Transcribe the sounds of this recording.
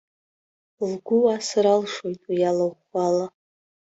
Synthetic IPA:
lɡʷʊasaɾalʂojtʼwijalaχala

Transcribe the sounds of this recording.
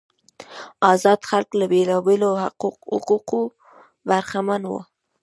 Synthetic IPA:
ɑzɑd̪xalklabelɑbeloqhʊ̰ququ | baɾxamanwə̰

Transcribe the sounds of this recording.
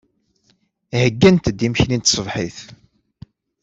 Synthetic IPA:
həɡːænt̪d̪ːimçnint̪sˤəvħiθ

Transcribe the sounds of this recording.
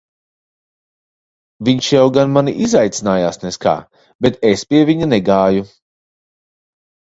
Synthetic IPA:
viɲʃjawɡanmaniʔizajt̪sinaːjaːsnɛska̰ː | bet̪espʲiɛvʲiɲunɛɡaːju

